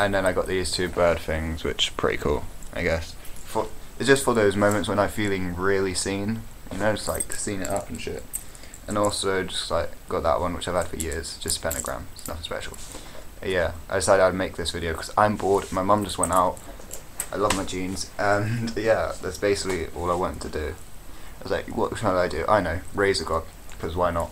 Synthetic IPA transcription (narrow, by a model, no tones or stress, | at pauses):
ʔə̃nðɨ̃ñaɪɡɑʔ̪̚ðiz̥tʰʉbɜ˞d̥θɪ̃ŋz̥wɪ̰t͡ʃpʰɹ̥ɪ̰ɾḭkʰṵlˠʔa̰ɪɡɛs | fə˞ɪtsd̥ʒ̥ʌstfə˞ðoʊzmõʊ̃mɨ̃ntswə̃ñaɪfilˠɪ̃ŋɹɪlˠisĩnjɨ̰noʊd͡ʒʌstlaɪksĩŋɪɾʌpn̩ʃɪ̰t̚ | ʔə̃nɔlˠsoʊd͡ʒʌkʰzaɪɡ̥ɑʔ̪̚ðə̰ʔwʌ̃nwɨt͡ʃaɪv̥əd̥fə̰jɪɹz̥d̥ʒ̥ʌstʰə̥pʰɛnɨɡɹæ̰̃mɪsnʌ̰tspɛ̰ʃl̩̰ˠ | jæa̰ɪdɪsaɪɾɨɾameɪk̚ðɪsvɪɾioʊkʰʌzã̰ɪ̃mbɔɹdn̩maɪmɑ̃md͡ʒʌst̚wɛ̃ntaʊt̚ | ʔaɪlʌvmaɪd͡ʒĩnz̥ʔə̃njæðætsb̥eɪsɪ̥kliʔɔ̰lˠaɪwɑ̃ntʰɨdɨaɪʌzlaɪkwʌ̰ʔʃãaɪdɨ̰ʔa̰ɪnoʊɹeɪzəɡɑd̥̚kʰʌzwaɪnət̚